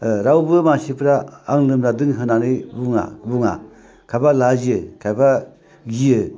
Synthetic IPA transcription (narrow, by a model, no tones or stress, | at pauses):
ɾawbɯmasipʰɾaːŋlɯmɾadɯŋɦɯnanɯjbuŋa̰buŋa̰ | kʰajbalaziɯkʰajba | ɡijɯ